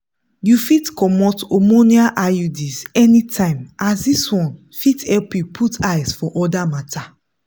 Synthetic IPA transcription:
jufitkɔmɔtomoniaʔajudisɛnitʰãɪ̃masdiswɔ̃n | fitɛlpjupʰutajsfɔʔɔdamatʰa

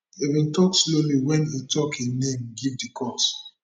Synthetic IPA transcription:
evĩntɔksloliwɛ̃nitʰɔkenẽmɡivdikʰɔs

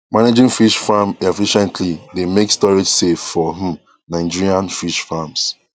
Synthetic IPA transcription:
maned͡ʒĩŋfiʃfamefiʃɛ̃ntʰlidemekstɔɹed͡ʒseffɔɦũ | naɪd͡ʒiɹiãnfiʃfams

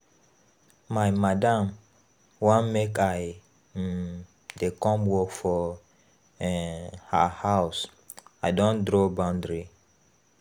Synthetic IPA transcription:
majmadãm | wãnmekaj | dekɔ̃mwɔkfɔ | ha̰haws | aɪdɔ̃ndɹobãʊ̃ndɹi

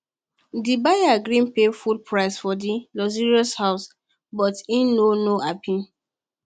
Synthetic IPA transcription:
dibajaɡɾĩnpefulpɹaɪsfɔdilɔziɹiɔshaʊs | bɔtĩnnonoapʰĩn

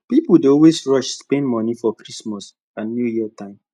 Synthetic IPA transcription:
pipudeɔlwesɹɔʃspɛ̃ndmɔnifɔkɹismɔs | ãnjujiətʰãɪ̃m

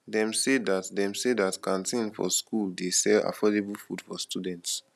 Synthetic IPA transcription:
ðɛ̃msedatdɛ̃msedatkʰãntʰẽnfɔ̰skuldesɛla̰fɔdebəlfud̥fɔstʰudɛ̃nts

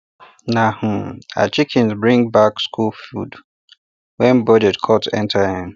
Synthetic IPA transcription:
nah̩a̰t͡ʃikʰɛ̃nzbɹĩŋbakskulfud | wɛ̃nbɔd͡ʒɛtkʰɔtɛ̰̃ntʰahiɪ̃m

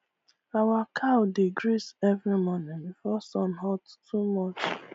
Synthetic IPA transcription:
awakʰawdeɡɾisɛvɹimɔnĩŋbifɔsɔ̃nɦɔttʰumɔt͡ʃ

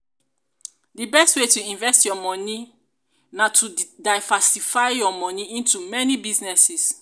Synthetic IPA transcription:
dibɛstwetuĩɱvɛstjɔmɔ̃ni | natʰudaɪvasifaɪjɔmɔ̃niĩntumɛnibiznɛsis

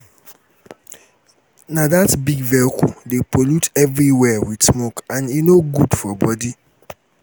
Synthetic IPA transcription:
nãdatbiɡvɛlkʰṵdepʰolutɛvɹiwɛwid̥smokãninoɡudfɔbɔdi

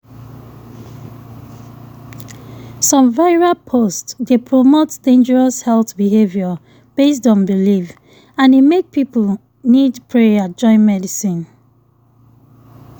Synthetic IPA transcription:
sɔ̃mvaɪɹapʰostdepʰɹomotsd̥ẽnd͡ʒəɹɔshɛlθbiɦevjɔ | b̥es̬tɔ̃nbilif | ãnimek̚pipl | nidpʰɹead͡ʒɔ̃ɪ̃nmɛdisĩn

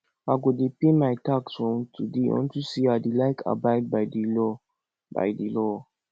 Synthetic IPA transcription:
aɡudipemajtaksɔ̃mtʰudiɔ̰̃ntusiadilaɪkʰa̰bad̚bajdilɔ | ba̰jdilɔ

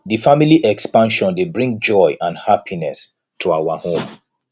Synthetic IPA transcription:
difamiliʔɛkspãnʃɔ̃ndebɹĩŋɡ̚d͡ʒɔjʔãnhapʰinɛs | tʰuawahõm

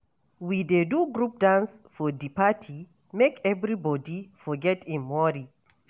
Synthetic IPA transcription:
wideduɡɾup̚dãnsfɔdipatʰi | mekɛvɹibɔdifɔɡɛtʰĩnmɔɾi

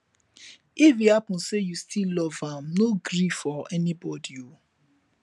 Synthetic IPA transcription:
ifihapɔ̃nsejustʰilɔvãmnoɡɾifɔɛnibɔdiu

